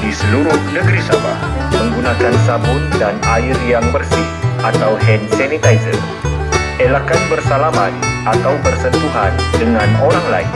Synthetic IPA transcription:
disəluɾʊhnəɡəɾisaba̰hməŋɡunakansabʊt̪̚danalirjaŋbərsihat̪awɦɛnsɛnit̪ajzə̰n | elakanbərsalamanʔat̪awbərsənt̪uɦandəŋanoɾaŋla̰ḭn

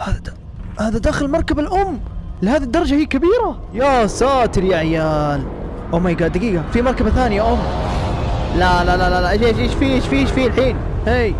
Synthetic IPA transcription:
haða | haːðad̪aːxɪlmɑɾˤkabalʔʊmːlɪhaːðid̪ːɑɾˤɑd͡ʒahiːkabiːɾa | jasaːt̪ɪɾjaʕɪjaːl | ʔʊmajɡad̪aɡiːɡafimɑɾˤkabaθaːnɪjaʔʊmː | lalalalalaʔʃʃiʃfiːʃfiːʃfiːlħiːn | hej

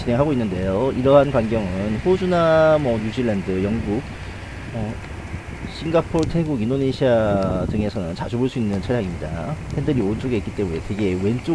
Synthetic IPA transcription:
t͡ɕine̞ŋɦaɡoinːɯnde̞joiɾʌɦankwaŋɡjʌŋɯnɸod͡ʑunamʌɲud͡ʑilandɯjʌŋɡuk̚ | ʌ | ɕʰiŋɡapʰoɾtʰeɡuɡindoneɕʰiadɯŋe̞sʰʌnɯnt͡ɕad͡ʑʰuboɭs͈uinːɯnt͡ɕʰʌɾjaŋimɲida̰pʰendɯɾioɯnt͡ɕ͈oɡeik͈it͈e̞mune̞twe̞ɡe̞we̞nt͡ɕ͈o

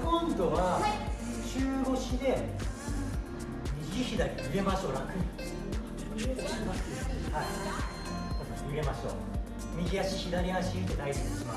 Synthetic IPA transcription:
kõ̞nd̪o̞βa | t͡ɕɨːɡo̞ɕid̪e̞ | ɲʲiɡiçid̪aɾʲiɯe̞maɕoɾakɯ̟̃ | ai | ko | ɯe̞maɕo̰ | mʲiɡʲiaɕiçid̪aɾʲiɦaɕiit̪enaisĩnesa

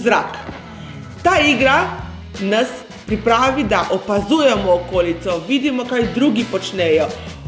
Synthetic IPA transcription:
zɾak | t̪aːiɡɾa | nas | pɾipɾaːʋid̪aʔɔpazuːjɛmɔːkoːlit̪sɔʋiːd̪imɔkajd̪ɾuɡipɔt͡ʃnɛjɔ

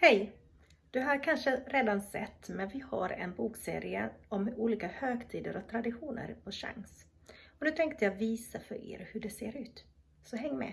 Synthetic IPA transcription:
hɛj | d̪̥ɵɦaɾkʰanʂəɾeːd̪ansɛ̰t̪ːmɛnvɪha̰ɾɛ̰nbuːksḛːɾɪə̰ɔmuːliːkahøːɡt̪ʰiːd̪əɾʔɔt̪ʰɾad̪ɪɧuːnə̰ɾpʰɔʂa̰ŋs | ɔnʉt̪ʰɛŋk̚t̪əjaviːsafœɾḛːɾhɵɖɛseːɾʉ̟ːt̪ | sɔɦɛŋːmɛ̰

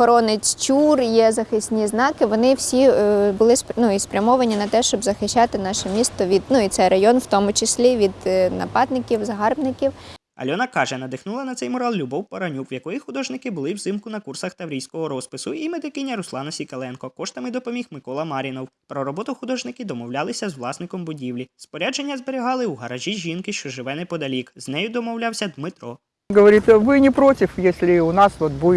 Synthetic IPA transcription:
xɔɾɔnɪt͡sʲt͡ʃʲurjɛzɐxɪsʲnʲiznɑkɪʋɔnɪwsʲibʊlˠɪsnuispɾʲɐmɔʋɐnʲinɐt̪ɛʃt͡ʃɔbzɐxɪʃʲt͡ʃːɑt̪ɪnɑʃɛmʲist̪ɔʋʲid̪nuit̪sɛjrɐjɔnwt̪ɔmʊt͡ʃɪsʲlʲiʋʲid̪nɐ̰pɑd̪̚nɪkʲiwzɐɦɑrbnɪkʲiw | ɐ̰lʲɔnɐkɑʒɛnɐd̪ɪxnulˠɐnɐt̪sɛjmɔɾɑlʲˠlʲʊbɔwpɐɾɐnʲukwjɐkɔjixʊd̪ɔʒnɪkɪbʊlˠɪwzɪmkʊnɐkursɐxt̪ɐwɾʲijsʲkɔɦɔɾɔspɪsʊimed̪ɪkɪnʲːɐɾʊslˠɑnɐsʲikɐlˠɛnkɔkɔʃt̪ɐmɪd̪ɔpɔmʲixmɪkɔlˠɐmɑɾʲinɔwpɾɔɾɔbɔt̪ʊxʊd̪ɔʒnɪkʲɪd̪ɔmɔwlʲalˠɪsʲɐzwlˠɑsnɪkɔmbʊdʲiwlʲispɔɾʲad͡ʒe̞nʲːɐzbeɾʲiɦɑlˠɪuɦɐɾɐʒʲiʒʲinkɪʃt͡ʃɔʒɪʋɛnɪpɔd̪ɐlʲikznɛjʊd̪ɔmɔwlʲawsʲɐd̪mɪt̪ɾɔ | ɡɐʋɐɾʲit̪ʋɪnʲɪpɾɔtʲɪfjesʲlʲɪʊnɑsʋot̪bu

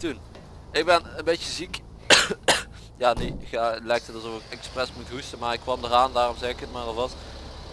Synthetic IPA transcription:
tun | ɪɡ̚bɛnənbejtəzik | jaːnexalɛjk̚tʰətɑlˠzɔfɪkɛksprɛsmutɦustəmaːɹɪkːʋɑmdəraːndaːrɔmzɛjɪkətmaːrɔlˠʋɑs

